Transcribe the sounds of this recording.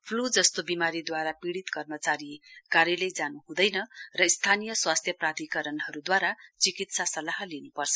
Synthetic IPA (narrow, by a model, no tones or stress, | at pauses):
pʰlud͡zʌst̪obimaɾid̪waɾapiɽit̪kʌrmʌt͡saɾikaɾjʌlejd͡zanuɦũd̪ʌjnʌrʌist̪ʰanijʌswast̪ʰjʌprad̪ikʌɾʌnɦʌɾud̪waɾat͡sikit̪sasʌlaɦlinupʌrt͡sʰʌ